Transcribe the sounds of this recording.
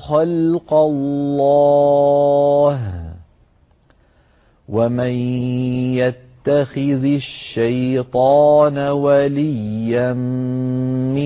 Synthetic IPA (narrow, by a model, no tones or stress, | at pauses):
xalqɑlːɑ | ɦ | wamɪnjat̪ːaxɪðaʃːajt̪ˤɑːnawalɪjːamː | ɪ